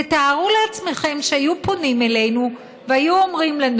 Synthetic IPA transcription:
et̪aːʁuleat͡sme̞χe̞mʃeajupo̞nimele̞jnu | veajuomʁimlan

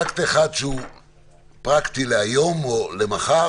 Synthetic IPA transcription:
akt̪ieχad̪ʃeu | pʁakt̪ileajo̞molemaχa

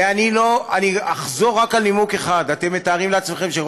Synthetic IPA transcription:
aniloaniaχzo̞ʁːakalnimukeχad̪at̪e̞mːe̞t̪aːʁimleat͡smeχe̞mʃe

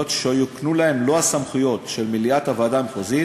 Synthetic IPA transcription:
ot̪ʃejoknulae̞mlo̞hasamχujo̞tʃelmiliatavad̪amχozi

